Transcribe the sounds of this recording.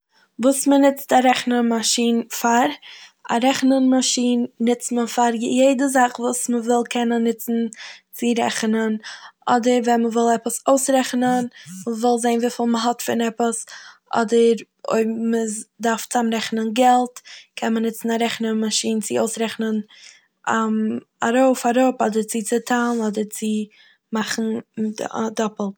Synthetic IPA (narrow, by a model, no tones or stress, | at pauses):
vuːsmənɪt͡staɾɛχnəmaʃiːnfaɾa̰ɾɛχnənmaʃiːnːɪt͡stməfaɾjeɪdəzaχvuːsməvɪlˠkʰɛnənːɪt͡sn̩t͡sɪɾɛ̰χnənʔɔdəɾvɛnməvɪlˠɛpəsoʊsɾɛχnənməvɪlˠzeɪnviːfɪlˠməɦɔtfɪnɛpəsʔɔ̰dəɾ | o̰ɪmədaɾft͡samɾɛχnənɡɛlˠtkʰɛnmənɪt͡sn̩aɾɛχnənmaʃiːnt͡sɪoʊsɾɛχnən | a | a̰ɾoʊfaɾʊpɔdəɾt͡sɪt͡sɪtʰanɔdəɾt͡sɪ | maχn̩ | dɔpl̩ˠ